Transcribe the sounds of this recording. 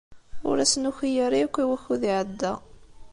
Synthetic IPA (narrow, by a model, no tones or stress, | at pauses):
ʊ̰ɾæsnuçijaɾikʷːiwæçuðiʕəd̪ːæ